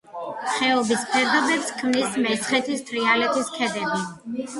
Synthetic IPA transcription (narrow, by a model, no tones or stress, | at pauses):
χɛɔbispʰɛɾd̪abɛpskʰmnismɛt̪sʰχɛt̪ʰist̪ʰɾialɛt̪ʰʼiskʰɛd̪ɛbi